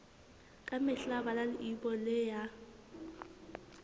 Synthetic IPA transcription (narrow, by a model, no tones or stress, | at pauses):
kʼamɛɬabalalɪibɔlɛja